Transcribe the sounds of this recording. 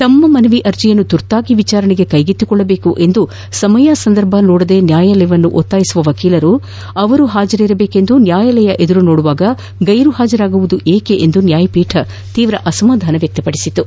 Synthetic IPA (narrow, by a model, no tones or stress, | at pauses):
t̪ɐmːɐmɐnɐʋiʔɐɾd͡ʒijɐnːut̪uɾt̪aːɡiʋit͡ʃaːɾɐɳiɡe̞kɐjɡit̪ːukɔɭːɐbe̞ːkuʔe̞nd̪u | sɐmɐjasɐnd̪ɐɾbʱɐnoːɽɐd̪e̞njaːjɐlɛjɐʋɐnːuʔot̪ːaːjisuʋɐʋɐkiːlɐɾu | ɐʋɐɾuɦaːd͡ʒɐɾiɾɐbe̞ːke̞nd̪unjaːjɐlɛjɐʔe̞d̪uɾunoːɽuʋaːɡɐ | ɡɐjɾuɦaːd͡ʒɐɾaːɡuʋud̪uʔeːkeʔend̪unjaːjɐpiːʈʰɐ | t̪iːʋɾɐʔɐsɐmaːd̪ʱaːnɐʋjɐk̚t̪ɐpɐɽisit̪ːu